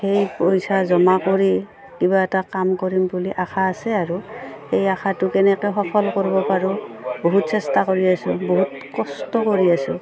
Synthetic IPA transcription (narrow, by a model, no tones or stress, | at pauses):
xejpojsazɔmakoɹi | kibaɛtakamkoɹimbuliʔaxʰaːsɛaɹuxejaxʰatʊkɛnɛkojxɔpʰɔlkoɹibɔpaɹʊboɦutsɛstakoɹiasʊ̃boɦut | kɔstɔkoɹiasʊ̰̃